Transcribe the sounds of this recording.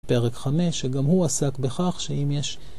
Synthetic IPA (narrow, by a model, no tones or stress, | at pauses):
pe̞ʁekχame̞ʃːeɡamhuasakbeχaχʃeimjeʃ